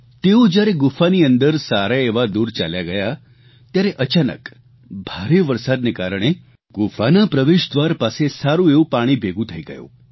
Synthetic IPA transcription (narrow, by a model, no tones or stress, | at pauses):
t̪eud͡ʒjaɾeɡufaniənd̪əɾsaɾaeʋad̪uːɾt͡ʃa̰ljaɡəja | t̪jaɾeʔət͡ʃanə̰k | bʱaɾeʋəɾsad̪nekaɾəɽ̃e | ɡufanapɾəʋeʃd̪ʋaɾpasesaɾũeũpaɽ̃ibʱeɡũt̪ʰəiɡə̰jo̰